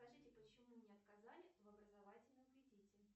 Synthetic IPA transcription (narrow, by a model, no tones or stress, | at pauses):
skɐʐɨtʲɪpət͡ɕɪmunʲɪɐt̪kazalʲɪvɐbɾəzɐvatʲɪlʲnəmvʲɪdʲitʲɪ